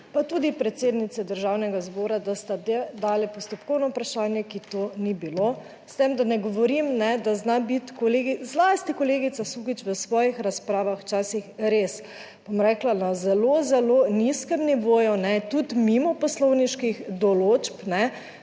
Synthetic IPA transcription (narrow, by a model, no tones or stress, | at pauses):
pat̪ud̪ipɾɛt̪seːd̪nit̪sɛd̪əɾʒaːwnɛɡazbɔːɾad̪ast̪ad̪d̪aːlɛpɔst̪ɔpkɔwnɔupɾaʃaːnjɛkit̪onibilo | st̪emd̪anɛɡɔʋɔɾimnɛd̪aznabit̪kɔleːɡizlast̪ikɔleːɡit̪sasuɡit͡ʃʋəsʋɔːjixɾaspɾaːʋaxwt͡ʃaːsixɾeːs | b̥omɾɛklanazɛlozɛloniskɛmniʋoːjunɛt̪ut̪mimɔpɔslɔwniʃkixd̪ɔloːt͡ʃpnɛ